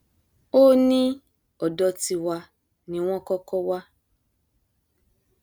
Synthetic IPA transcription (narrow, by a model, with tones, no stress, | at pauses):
o˦nĩ˦ | ɔ˨dɔ˧ti˧wa˧ | nĩ˧w̃ɔ̃˦kɔ˦kɔ˦wa˦